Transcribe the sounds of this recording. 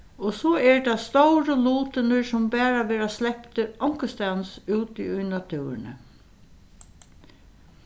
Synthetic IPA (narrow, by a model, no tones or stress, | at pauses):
ɔsɔɛɹd̪ast̪owɾəluːt̪ənʏɹsʊmbæːɹaʋeːɾaslɛpt̪əʔɔŋ̥kəst̪ansuːt̪iʊjnat̪ʰʉːɾɪ̰nə̰